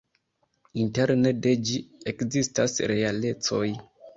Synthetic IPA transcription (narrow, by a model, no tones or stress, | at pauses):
inte̞ɾnede̞d͡ʒiekzistasɾe̞ale̞t͡so̞j